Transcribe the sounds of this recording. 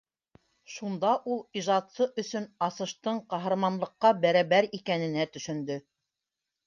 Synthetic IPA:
ʃund̪ɑʔulˠiʒɑt̪sɤʔɵ̆sɵnɑsɤ̆ʃt̪ɤɴqɑɦɤ̆ɾmɑnlˠɤ̆qːɑbæɾɑβæɾikænɘ̆næt̪ɵ̆ʃɵ̆nd̪ɵ

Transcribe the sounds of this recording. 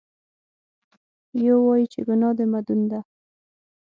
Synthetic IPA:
jowɑjit͡ʃḛɡunɑd̪əmad̪und̪a

